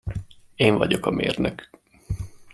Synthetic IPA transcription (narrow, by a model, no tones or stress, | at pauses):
eːɱvɒɟo̞kɒmḛːrnøk